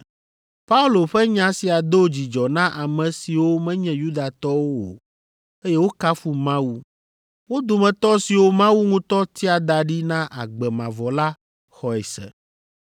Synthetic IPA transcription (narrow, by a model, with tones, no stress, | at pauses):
pa˦u˦lo˨ɸɛ˦ɲã˨si˨a˨d̪o˦d͡ʑi˨d͡ʒɔ˨nã˦ʔa˨mɛ̃˨si˨wo˦mɛ̃˦ɲɛ̃˨ju˦d̪a˨t̪ɔ˦wo˦o̰˨ | e˦jɛ˦wo˦ka˦fu˦mã˦wu˦ | wo˦d̪o˨mɛ̃˨t̪ɔ˦si˨wo˦mã˦wu˦ŋũ˦t̪ɔ˦t̪i˦a˨d̪a˨ɖi˦nã˦ʔa̰˨ɡ͡bɛ˨mã˨vɔ˨la˦ | xɔ˨ɛ˨sɛ̰˨